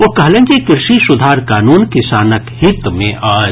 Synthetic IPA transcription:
ʋokɐɦlẽːd͡ʒikɪɾʃisʊd̪ʱaːɾkaːnuːnkɪsaːnəkhɪt̪mḛ̃ʔaː

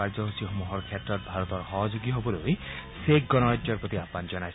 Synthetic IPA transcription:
aɾd͡ʒɔɦusiɦomuɦɔɾkʰjat̪ɾɔt̪̚bʱaɾɔt̪ɔɾhɔɦɔd͡ʒoɡiɦobɔloj | sekɡɔnɔɾad͡ʒjɔɾpɔt̪iapand͡ʒɔnaj

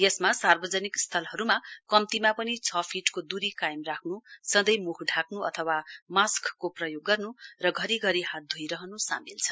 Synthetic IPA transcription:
jʌsmasarbʌd͡zʌnikst̪ʰʌlɦʌɾumakʌmt̪imapʌnit͡sʰʌpʰiʈkod̪uɾikajmrakʰnusʌ̃d̪ʌjmukʰɖʱakʰnuʌ̰t̪ʰʌwamaskkoprʌjoɡːʌrnurʌɡʱʌɾiɡʱʌɾiɦat̪̚d̪ʱujɾʌɦʌnusa̰milt͡sʰʌ

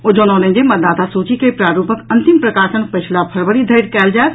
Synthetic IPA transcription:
od͡ʒononẽd͡ʒ̪emət̪d̪aːt̪asut͡ʃikepɾaːɾupəkənt̪impɾəkaːɾsənpət͡ʃʰlapʰəɾʋəɾid̪ʱəɪɾkɛːld͡ʒaet̪

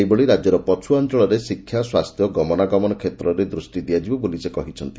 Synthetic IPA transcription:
ejboɭiɾad͡ʒjɔɾɔpɔt͡ʃʰuant͡ʃɔɭɔɾesikʰːjaswast̪ʰjɔɡɔmɔnaɡɔmɔnɔkʰet̪ɾɔɾed̪ɾusʈid̪iad͡ʒibɔbolisekɔɦit͡ʃʰɔnt̪i

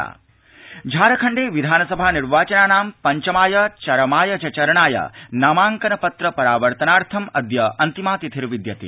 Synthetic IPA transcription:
a̰ː | d͡ʒʱaːɾɐkʰɐɳɖeːʋid̪ʱaːnɐsɐbʱaːniɾʋaːt͡ʃɐnaːnaːmpɐɲt͡ʃɐmaːjɐt͡ʃɐɾɐmaːjɐt͡ʃɐt͡ʃɐɾɐɳaːjɐ̰naːmaːŋkɐnɐpɐt̪ɾɐpɐɾaːʋɐɾt̪ɐnaːɾt̪ʰɐmɐd̪jɐɐnt̪imaːt̪it̪ʰiɾʋid̪jɐt̪ḭ

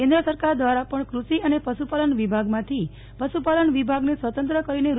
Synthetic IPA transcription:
kẽnd̪ɾəsəɾkaɾd̪ʋaɾapəɳkɾuʃiənepəʃupaləɳʋibʱaɡmãt̪ʰi | pəʃupaləɳʋibʱaɡnesʋət̪ənt̪ɾəkəɾineɾ

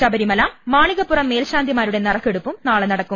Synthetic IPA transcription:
ɕɐbɐɾimɐlɐmaːɳiɣɐpːurɐmːe̞ːlɕaːnd̪ʱimaːɾuɽe̞nɐrɐkːeɽupːumnaːɭenɐɽɐkːum

